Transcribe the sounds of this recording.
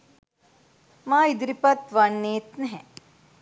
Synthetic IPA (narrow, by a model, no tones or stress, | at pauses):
mãːid̪ɾipɐt̪ʋɐnːeːt̪nɦɛ̃